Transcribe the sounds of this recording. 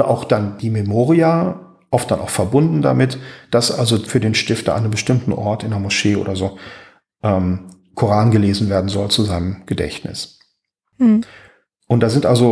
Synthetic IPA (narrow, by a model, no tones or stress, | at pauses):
ɐʔaʊxd̥and̥iːmɛmoːʁia | ʔɔft̚d̥anʔa̰ʊxfɛɐbʊndn̩da̰mɪtd̥asʔalzofyːɐdeːnʃtɪftɐ̰ʔa̰ɪnəmbəʃtɪmtn̩ʔɔɐtɪndɛɐmoʃeːʔo̰ːɾɐzoː | ʔɛːm | kʰoʁaːnɡəleːzn̩veːɐdn̩zɔlt͡suzaɪnəmɡ̥ədɛ̰çtnʔɪ̰s | ʔʊntd̥aːzɪntʔalzo